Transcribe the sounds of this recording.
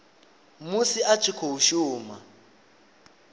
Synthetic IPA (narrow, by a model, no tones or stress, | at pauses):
musiʔat͡ʃʰikʰouʃuːma̰